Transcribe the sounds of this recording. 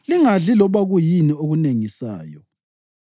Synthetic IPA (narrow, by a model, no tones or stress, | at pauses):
liŋaɮilɔβaɣujinioɣuneŋisa̰ːjɔ̰